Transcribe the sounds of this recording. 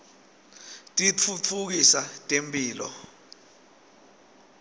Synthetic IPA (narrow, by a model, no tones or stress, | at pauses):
tʼit͡fʰut͡fʰuk̬isatʼempʼiːlɔ̰